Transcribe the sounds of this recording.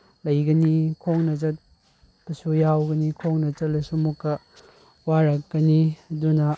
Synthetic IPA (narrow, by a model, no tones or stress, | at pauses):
lɐjɡɐnikʰoŋnɐt͡ʃɐt̚ | b̥ɐsujawɡɐnikʰoŋnɐt͡ʃɐtlɐsumukːɐ | waɾɐk̚ːɐniɐdunɐ